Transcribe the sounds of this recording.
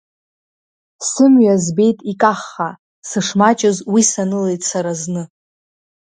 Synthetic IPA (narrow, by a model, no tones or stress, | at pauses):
sɨmɥazbe̞jtʼikʼaχːa | sɨʂmat͡ʃʼɪzwisanɨlejtʼsaɾaznɨ